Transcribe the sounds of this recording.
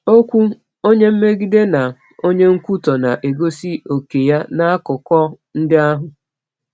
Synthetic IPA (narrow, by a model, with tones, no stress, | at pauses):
o˦kʷu˦ | o˦ɲe˦m̩˦me˦ɡi˦de˦na˨ | o˦ɲe˦ŋ̩˦kʷu˦tɔ˨na˨ʔe˨ɡo˦si˦o˨ke˨ja˦na˦a˦kʊ˨kɔ˦ | n̩˦dɪ˦a˦ɦʊ˨